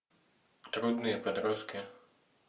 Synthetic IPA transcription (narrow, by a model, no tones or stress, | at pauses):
t̪ɾud̪nɨjɛpɛd̪ɾɔskʲɪ